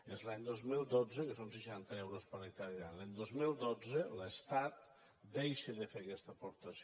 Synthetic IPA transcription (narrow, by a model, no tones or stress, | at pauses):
ezlaɲd̪ozmilˠd̪od͡zəkəsonsəʃant̪əɛwɾospənət̪aɾjalaɲd̪ozmilˠd̪od͡zələst̪at̪̚ | d̪ejʃəðəfekɛst̪əpoɾt̪əs